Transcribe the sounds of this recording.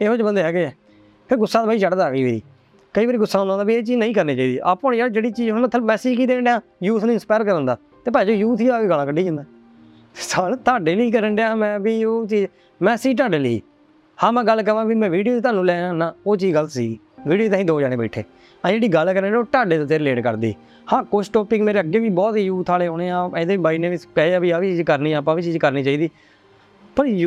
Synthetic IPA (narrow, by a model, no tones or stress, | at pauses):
eːɦoːt͡ʃbənd̪eːɦɛɡeɛː | pʰɪːɾɡʊsːaːd̪baːiːt͡ʃəɽd̪aːɡiːʋeːɾḭː | kəiːʋaːɾiːɡʊsːaːnlãːnaːbiːeːt͡ʃiːd͡ʒnəĩːkəɾniːt͡ʃaːiːd̪iːʔaːpːə̃nd͡ʒaːd͡ʒeːɽiːt͡ʃiːd͡ʒɦoñːt̪ʰəlmɛːsiːd͡ʒkiːd̪eːɳɖeaː | juːt̪ʰnũːɪnspaːjɾkəɾə̃nd̪aː | t̪eːpɛːd͡ʒoːjuːt̪ʰiːaːkeːɡəlãːkəɖeːd͡ʒə̃nd̪aː | esaːlt̪ʰaːɖeːliːkəɾəɳɖeãmɛ̃ːbiːoːt͡ʃiːd͡ʒ | mɛ̃ːsiːʈ̬aːɖeːliḭː | hãːmɛ̃ːɡəlːkəɾʋãːbiːmɛ̃ːʋiːɖijoːt̪ʰaːnũːlɛːaːnãːoːt͡ʃiːd͡ʒɡələt̪siːɡiːʋiːɖijoːt̪ãːĩːd̪oːd͡ʒaːɽẽːbəːʈʰḛː | ãːd͡ʒeːɽiːɡəlkəɾəɳɖeːoːʈaːɖeːt̪ot̪eːɾleːɖkə̰ɾd̪ḭː | hãːkosʈɔːpɪkmeːɾeːəɡeːʋiːbɔːt̪iːjuːt̪ʰaːleːɦoːɽeːãːeːd̪eːbaːiːnẽːʋɪpɛːaːʋiːaːʋiːt͡ʃiːd͡ʒkəɾniːãːpãːʋiːt͡ʃiːd͡ʒkəɾniːt͡ʃaːiːd̪iː | pəɾj